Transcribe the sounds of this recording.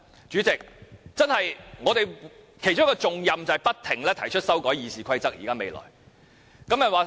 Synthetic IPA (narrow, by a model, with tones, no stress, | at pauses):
t͡ʃyː˨˥t͡sɪ˨k̚t͡sɐ˥nhɐ˨jŋɔː˨˧t̪e˨jkʰe˨˩jt͡ʃʊ˥ŋkɔː˧t͡sʊ˨ŋjɐ˨mt͡sɐ˨hɐ˨jpɐ˥t̚t̪ʰɪ˨˩ŋlɛː˥t̪ʰɐ˨˩jt͡ʃʰɵ˥t̚sɐ˥wkɔː˨˥jiː˨˧siː˨kʰɐ˥jt͡sɐ˥k̚jḭː˨kaː˥me˨˧jlɔ̰ː˨˩j | kɐ˥mjɐ˨t̚waː˨˧